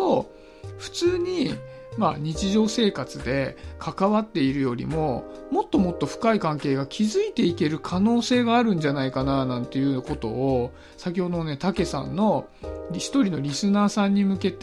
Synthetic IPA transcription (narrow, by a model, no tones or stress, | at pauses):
o | ɸɯ̟̥t͡sɨːɲ̟i | maɲ̟it͡ɕiʑo̞ːse̞ːkat͡sɨd̪e̞kʰakaβat̪ːe̞iɾɯ̟jo̞ɾʲḭmo̞mo̞t̪ːo̞mo̞t̪ːo̞ɸɯ̟̥kaikãŋke̞ːɡakʲʰizɨit̪e̞ike̞ɾɯ̟kʰano̞ːse̞ːɡaːɾɯ̟̃ɲ̟d͡ʑanaikananãnt̪e̞jɯ̟ko̞t̪o̞ː | sak̬ʲiho̞d̪oone̞t̪ake̞sã̰nːo̞ | ɾʲçi̥t̪o̞ɾʲino̞ɾʲisɨnaːsãɲ̟ːimɯ̟ke̞t̪